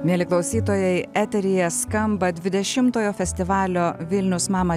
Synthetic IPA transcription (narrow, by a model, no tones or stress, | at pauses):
mʲiɛlʲɪklˠɒʊsʲiːt̪oːjɛɪæːt̪ʲɛɾʲɪjɛskɐmbɐd̪ʲʋʲɪd̪ʲɛʃʲɪmt̪oːjoːfʲɛsʲt̪ʲɪʋɑːlʲoːʋʲɪlʲnʲʊsmɑːmɐ